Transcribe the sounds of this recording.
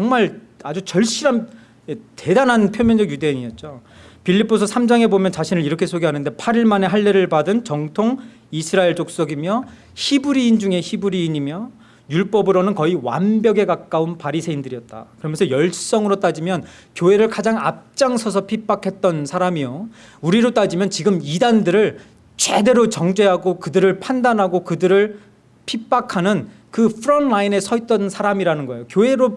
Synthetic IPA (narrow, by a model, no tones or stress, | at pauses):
t͡ɕʌŋmaɭ | ad͡ʑut͡ɕʌɭɕ͈iɾan | ete̞danɦanpʰjomjʌnd͡ʑʌɡjude̞aɲiʌt̚t͡ɕ͈o | piʎːipʰosʰʌsʰamd͡ʑaŋe̞bomjʌnt͡ɕaɕʰinɯɭiɾʌkʰe̞sʰoɡeɦanɯnde̞pʰaɾiɭmane̞ɦaɭːeɾɯɭpadɯnt͡ɕʌŋtʰoŋ | isʰɯɾaeɭt͡ɕ͈ok̚s͈ʌɡimjʌ | çibuɾiːnd͡ʑuŋe̞çibuɾiːɲimjʌ | juɭp͈ʌbɯɾonɯnkʌiwa̰nbjʌɡe̞kak͈aunpaɾisʰe̞indɯɾiʌt̚t͈a̰kɯɾʌmjʌnsʰʌjʌɭʰs͈ʌŋɯɾot͈ad͡ʑimjʌn | kjoe̞ɾɯɭkad͡ʑaŋa̰p̚t͡ɕ͈aŋsʰʌs̬ʰʌpʰip͈akʰe̞t̚t͈ʌnsʰaɾamijo | uɾiɾot͈ad͡ʑimjʌnt͡ɕiɡɯmidandɯɾɯɭ | t͡ɕwe̞de̞ɾot͡ɕʌŋd͡ʑwe̞ɦaɡokɯdɯɾɯɭpʰandanɦaɡokɯdɯɾɯɭ | pʰip͈ːakʰanɯn | kɯpʰɯɾʌnlaine̞sʰʌit̚t͈ʌnsʰaɾamiɾanɯnɡʌe̞jokjoe̞ɾo